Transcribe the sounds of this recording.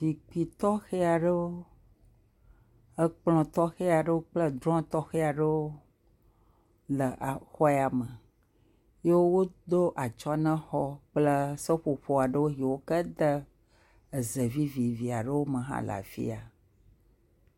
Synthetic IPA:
vi˨k͡pi˨t̪ɔ˦xe˦a˨ɖə˦wo˦ | ə˦k͡plɔ̃˨t̪ɔ˦xe˦a˨ɖə˦wo˦k͡plə˦d̪ɾɔ̃˦t̪ɔ˦xe˦a˨ɖə˦wo˦ | lə˨ʔa˨xɔ˦ɛ˨a˨mə˨ | je˦wo˦wo˦d̪o˦ʔa˨t͡ʃɔ˦nə̃˦xɔ˦k͡plə˦sə˦ɸo˨ɸo˨a˨ɖə˦wo˦ɦi˨wo˦kə˦d̪ə˦ | ə˨zə˨vi˦vi˨vi˨a˨ɖə˦wo˦mə̃˨ɦã̰˦la̰˨fḭ˦a˨

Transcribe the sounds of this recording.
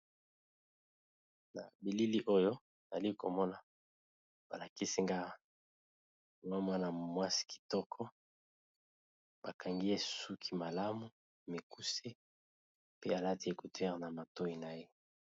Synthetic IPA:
na̰˨bi˨li˦li˦ʔo˦jo˦˨ | za˨li˦ko̰˨mɔ˦na˨ | b̥a˨la˨ki˦si˦ŋɡa˦˨ | ŋwa˦mwa˦na˨mwa˦si̥˨ki̥˨tɔ˦kʰɔ˦ | b̥a˨ka˨ŋɡi˦e˦su˦kʰi˨ma˨la˦mu˦ | me˨ku˦se˦ | pe˦a˨la˦ti˨˦e˨ku˨tɛ˦ʁna˨ma˨to˦i˨na˨je˦

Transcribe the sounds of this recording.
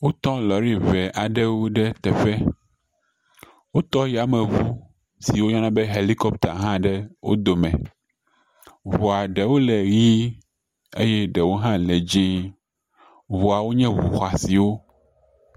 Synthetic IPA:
wo˦t̪ɔ̃˦lɔ˨ɾi˦vɛ˨ʔa˨ɖɛ˦wo˦ɖɛ˦t̪ɛ˨ɸɛ˦ | wo˦t̪ɔ˦ji˦a˨mɛ̃˨vu˦ | si˨wo˦ɲɔ̃˦nã˦be˦ɦe˨li˦kɔ˦pt̪a̰˨ɦã˦ɖɛ˦wo̰˦d̪o˨mɛ̰̃˨ | vɔ˨a˨ɖɛ˨wo˦lɛ˨ɣi˦ | ḛ˦jɛ˦ɖɛ˨wo˦ɦã˦lɛ˨d͡ʒi˦ | vu˨a˨wo˦ɲɛ̃˦vṵ˨xa˨si˨wo˦

